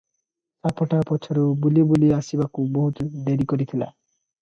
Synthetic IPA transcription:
sapʰɔʈapɔt͡ʃʰɔɾubuliobuliasibakubɔɦut̪ud̪eɾikɔɾit̪ʰila̰

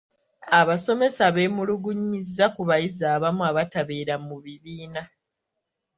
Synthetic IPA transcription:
aβaso̞me̞saβe̞ːmuluɡuɲːizːakuβajizaːβamuaβataβeːɾamuβiβiːna

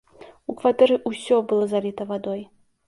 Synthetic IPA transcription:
ukvat̪ɛɾɨʔusʲɔbɨlˠɔzalʲit̪ɐvad̪ɔj

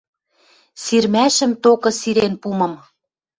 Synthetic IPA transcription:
siɾmæʃə̆mt̪okɤ̆siɾenpumɤ̆m

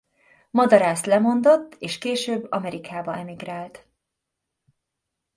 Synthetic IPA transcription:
mɒd̪ɒɾaːst̪lɛmo̞nd̪o̞t̪ːeːʃkeːʃøːbːɒ̰mɛɾikʰaːbɒɛmiɡraːlt̪

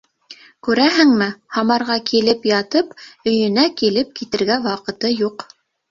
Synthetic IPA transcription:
kʉɾæɦɘ̆ŋmɘhɑmɑɾʁɑkilɘpjɑt̪ɤpɵ̆jɵ̆nækilɘp̚kit̪ɘ̆ɾɡæwɑqɤ̆t̪ɤjuq

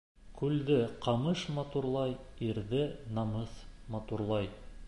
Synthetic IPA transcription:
kʉld̪ɘqɑmɤʃmɑt̪uɾlˠɑjiɾðɘnɑmɤsmɑt̪uɾlˠɑj

